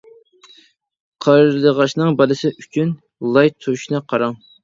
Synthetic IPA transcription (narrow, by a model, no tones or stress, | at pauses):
qʰɑɾlˠəʁɑʃnɨŋbɑlɨsɪʔyt͡ʃʰyn | lˠɑjt̪ʰːuʃnɨqʰɑɾɑŋ